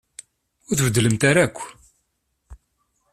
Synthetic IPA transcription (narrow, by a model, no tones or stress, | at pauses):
ʊɾθvəd̪ːləmt̪aɾakʷː